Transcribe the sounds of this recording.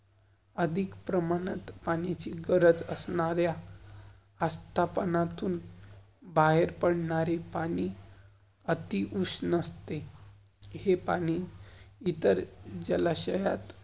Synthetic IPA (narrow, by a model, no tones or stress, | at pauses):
əd̪ʱikpɾəmañət̪paɽ̃it͡ɕiːɡəɾəd͡zəsɳaɾjaː | st̪ʰapənat̪uːn | baɦeɾpəɽɳaɾepaɽ̃iː | ət̪iʔusnəst̪e | hepa̰ɽ̃iit̪əɾd͡ʑəlaɕəjat̪